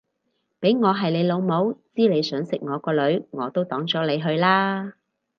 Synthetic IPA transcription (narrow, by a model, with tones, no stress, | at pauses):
pe˨˥jŋɔː˨˧ɦɐ˨jle˨˧jlo˨˧wmo˨˥wt͡siː˥le˨˧jsœː˨˥ŋsɪ˨k̚ŋɔː˨˧kɔː˧lɵ˨˧˥ɥŋɔː˨˧t̪o˥wt̪ɔː˨˥ŋt͡sɔː˨˥le˨˧jɦɵ˧ɥlaː˥